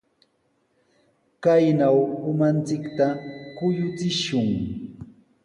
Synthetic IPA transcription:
kajnawʊmant͡sɪkt̪akʊjʊt͡sɪʃʊŋ

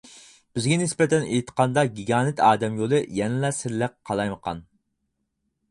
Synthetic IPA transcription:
b̥ɪzɡʲɛnɪspɛt̪ʰɛnejt̪ʰqʰɑnd̪ɑɡʲiɡʲɑːnɪt̪ʰɑːd̪ɛmjolˠɨjɛnɪlɛsɪɾlɪqqʰːɑlˠɑjməqʰɑ̰n

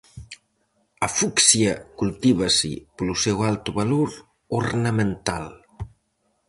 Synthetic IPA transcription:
afuksjəkult̪iβ̞asḭpəlusɛwalˠt̪uβaloɾ | uɾnəment̪al

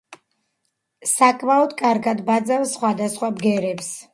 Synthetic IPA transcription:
sakʼmaɔd̪kʼaɾɡad̪bad̪zafsχwad̪asχwabɡɛɾɛps

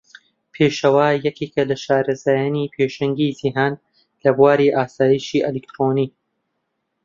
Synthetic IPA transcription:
pʰeːʃɐwaːjɐkeːkɐlɐʃaːɾɐzaːjaːniːpʰeːʃɐŋɡiːziɦaːn | lɐbuaːɾiʔaːsaːjiːʃiːʔɐlik̚t̪ɾoːniː

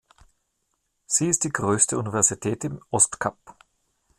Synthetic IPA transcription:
z̥iːɪstd̥iːɡʁøːstəunivɛɐzitʰɛːtɪmʔɔstkʰap

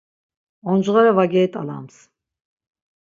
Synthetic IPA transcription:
ɔnd͡ʒʁaɾɛvaɡɛːt̪ʼala̰ms

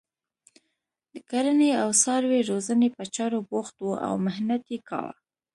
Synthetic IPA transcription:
d̪əkaɾəneawsɑɾweɾozənepət͡ʃɑɾoboxt̪wuʔa̰wmɪhnat̪ekɑ̰wa̰

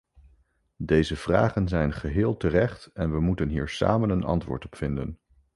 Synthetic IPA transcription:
dejzəv̥ra̰ːχənzɛjnχəɦɪːlˠtərɛχtɛnʋəmutənɦiːɹsa̰ːmənənɑ̰ntʋʊ̰ːɹtɔpfɪndə̰n

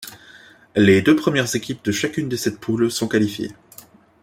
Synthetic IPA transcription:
led̪øpχəmjɛʁzekʲip̚d̪əʃakʲynd̪əsɛt̪̚pʰulsɔ̃kalifjḛ

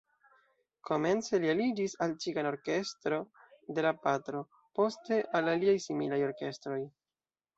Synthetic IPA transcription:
kʰo̞me̞nt͡se̞lialid͡ʒisalt͡ʃikano̞ɾke̞stɾo̞de̞lapatɾo̞ | po̞ste̞ʔalaliajsimilajo̞ɾke̞stɾo̞j

